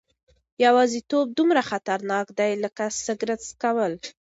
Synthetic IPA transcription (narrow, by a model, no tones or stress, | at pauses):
jawɑzit̪ob̚d̪umɾaxat̪aɾnɑkd̪ajləkasəɡɾət͡skawəl